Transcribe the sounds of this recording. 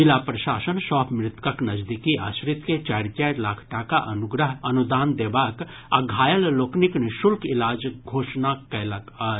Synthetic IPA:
ɪlaːpɾɐʃaːsənsɔːpʰmɾɪt̪kəknɐzd̪ikia̰ːsɾɪt̪ket͡ʃaːɾt͡ʃaːɾlaːkʰʈaːkaʔɐnʊɡɾəɦɐnʊd̪aːnd̪eːbaːk | ɐɡʱaːjəlloːkniknʃʊlkʰɪlaːd͡ʒɡʱoːʃnakɛlaka

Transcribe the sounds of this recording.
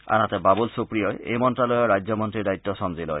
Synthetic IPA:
a̰natɛbabulsopɹijɔjḛjmɔntɹalɔjɔɹajd͡ʑzɔmɔntɹiɹdajit̪ːɔsɔmzilɔ̰j

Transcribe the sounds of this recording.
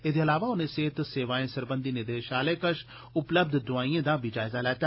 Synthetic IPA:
eːd̪eːəlaːʋaːʊnẽːseːt̪seːʋaːẽːsəɾbə̃nd̪iːnɪd̪eːʃaːleːkəʃ | ʊpləbd̪d̪ʊaːiːẽːd̪aːbid͡ʒaːɪzalɛːt̪a

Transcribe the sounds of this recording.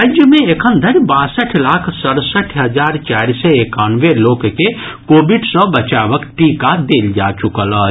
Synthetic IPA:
d͡ʒjəmẽekʰənd̪ʱəɾbaːsəʈʰlaːkʰsəɾsəʈʰɦəd͡ʒaːɾt͡ʃaːɾseekanʋeloːkke | koːbiɖsə̃bət͡ʃaːʋəkʈiːkad̪eːld͡ʒat͡ʃukələ

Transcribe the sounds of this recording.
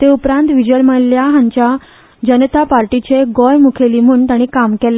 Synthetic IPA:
t̪eupɾãnt̪ʋid͡ʑəlməljaɦaɲt͡ɕja | d͡ʑənt̪apaɾʈit͡ɕeɡɔjmukʰeliːm̤uːɳt̪jaɽ̃ikamkɛlː

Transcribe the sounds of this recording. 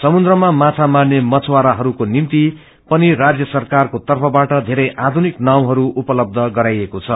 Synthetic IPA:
sʌmund̪rʌmamat̪ʰamanːemʌt͡swaɾaɦʌɾukonimt̪i | pʌniɾad͡zjʌsʌrkarkot̪ʌrpʰʌbaʈʌd̪ʱeɾʌjʔad̪ʱuniknaw̃ɦʌɾuʔupʌlʌb̚d̪ʱʌɡʌɾajekot͡sʰʌ

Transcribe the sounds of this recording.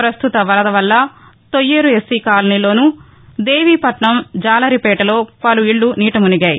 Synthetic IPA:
pɾɐst̪ut̪ɐʋɐlɐd̪ɐʋɐlːɐ | t̪ojːeːɾuesːikaːlɐnilo̞ːnu | d̪e̞ːʋiːpɐʈɳɐmd͡ʒaːlɐɾipɛːʈɐlo̞ːpɐluiɭːuniːʈɐmuniɡaːji

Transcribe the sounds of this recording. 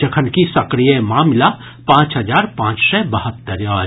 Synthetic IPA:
d͡ʒɐkʰənkisɐkɾijəmaːmla | pãːt͡ʃɦɐzaːɾpãːt͡ʃsɛbɐɦət̪ːəɾjaː

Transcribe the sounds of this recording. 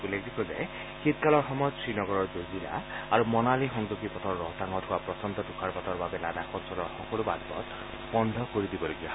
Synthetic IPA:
ulekd̪ikɔzḛj | kʰit̪kalɔɹxɔmɔjd̪sɹinɔɡɔɾɔɹd̪uzila̰aɾumɔnalixɔŋd̪okipɔt̪ʰɔɹːɔɦt̪aŋɔt̪ʰɦuapɾɔsɔnt̪ɔtukʰaɾpɔt̪ɔɹbabelad̪axɔsɔlɔɹxɔkɔlubad̪bɔ̰t̪ | bɔndʱɔkoɾid̪ibɔloɡia

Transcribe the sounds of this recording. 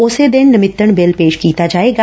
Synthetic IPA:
ʊsed̪ɪnːɪmɪt̪ːɾəɽbɪlpeːʃkiːt̪ad͡ʒaːeːɡaː

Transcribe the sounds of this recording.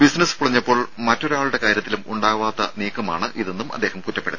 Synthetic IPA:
bisnɐsɨ̥purɐɲːɐpːo̞ːɭmɐtːo̞ɾaːɭuɽe̞kaːɾjɐt̪ːilumṵɳɖaːʋaːt̪ːɐniːkːɐmaːɳɨʔiðe̞nːumʔɐ̰d̪ːe̞ːhɐmkutːɐpːe̞ɽɐð

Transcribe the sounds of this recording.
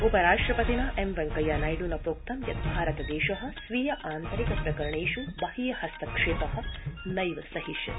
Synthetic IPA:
upɐɾaːʂʈɾɐpɐt̪inaːʔemʋɐŋkɐjaːnaːjɽuːnɐpɾoːk̚t̪ɐmjɐt̪bʱaːɾɐt̪ɐd̪eːʃɐɦɐ̆sʋiːjɐʔaːnt̪ɐɾikɐpɾɐkɐɾɐɳeːʃubɐɦijɐhɐst̪ɐkʂeːt̪ɐɦɐ̆nɐjʋɐsɐɦiʃjɐ̰t̪

